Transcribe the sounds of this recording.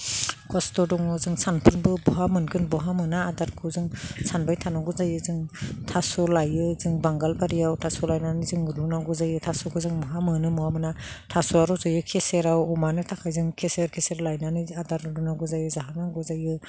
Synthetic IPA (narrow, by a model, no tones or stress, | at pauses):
kʰɔstɔdɔŋɯzɯŋsanpʰɯnbɯbɔɦamɯnkʰɯnbɔɦamɯnaːdaɾkʰɯzɯŋsanbajtʰanɔɡuzajɯzɯŋtʰasɔlajɯzɯŋbaŋɡalbaɾijawtʰasɔlajnanizɯŋɾunaɡuzajɯtʰasɔkʰɯzɯŋmɔɦamɯnɯmɔwamɯnatʰasɔaɾɔzɯjɯkʰeseɾawɔmanɯtʰakʰajzɯŋkʰeseɾkʰeseɾlajnaniadaɾɾunaɡuzajɯzaɦanaŋɡɔzajɯ